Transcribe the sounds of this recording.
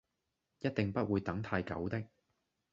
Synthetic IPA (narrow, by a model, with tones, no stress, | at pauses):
jɐ˥t̚t̪ɪ˨ŋpɐ˥t̚wuː˨˧jt̪ɐ˨˥ŋt̪ʰaː˧jkɐ̰˨˥wt̪ɪ˥k̚